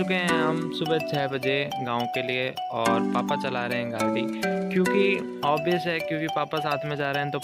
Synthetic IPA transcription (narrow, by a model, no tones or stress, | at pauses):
ʊkeɦɛ̃ɦɐmsʊbət͡ʃʰɛːbɐd͡ʒeɡãːõkelie | ɔːɾpaːpat͡ʃɐlaːɾeɦɛ̃ɡaːlt̪iːkjõːki | ɔːbijəsɦɛkjõːkipaːpasaːt̪ʰmẽd͡ʒaːɾeɦɛ̃t̪o